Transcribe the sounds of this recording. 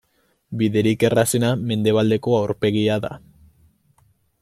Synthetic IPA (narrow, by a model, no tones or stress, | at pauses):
biðe̞ɾike̞rase̞name̞nd̪e̞β̞ald̪e̞ko̞awɾpe̞ɣ̞iaða̰